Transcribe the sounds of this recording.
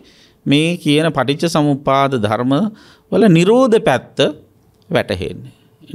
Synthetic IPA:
meːkijənəpaʈit͡ʃːəsɐmupaːd̪əd̪ʱaɾmə | ʋələniɾoːd̪əpæt̪ːə | ʋæʈəɦḛnːe

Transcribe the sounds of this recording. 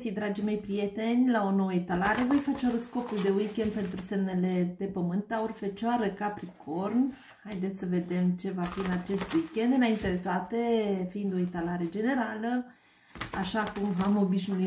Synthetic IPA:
sijd̪ɾad͡ʒime̞jpɾije̞t̪e̞nʲlao̞no̞wəit̪alaɾe̞vo̞jfat͡ʃeoɾəsko̞puld̪e̞wikʲe̞nd̪̚pe̞nt̪ɾuse̞mne̞le̞pe̞pəmɨnt̪aurfet͡ʃoaɾəkapɾikʰo̞rn | hajd̪et̪sʲsəve̞d̪e̞mt͡ʃe̞vafiɨnat͡ʃe̞st̪uikʲend̪ɨnaint̪e̞d̪e̞t̪oat̪e̞fiind̪o̞it̪alaɾe̞d͡ʒe̞ne̞ɾalə | aʃakumamo̞biʃnui

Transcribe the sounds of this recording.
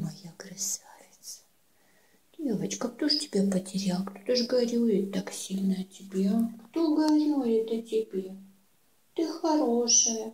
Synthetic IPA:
mɐjaɡrɐsavʲɪt̪sə̥ | d̥ʲevət͡ɕkəkt̪oʐtʲɪbʲapətʲɪɾʲalˠkt̪ot̪əʐɡɐɾʲujɪt̪ːaksʲilʲnəɐtʲɪbʲekt̪oɡɐvɾʲojɪt̪ɐtʲɪbʲe | t̪ɨxɐɾoʂəjə

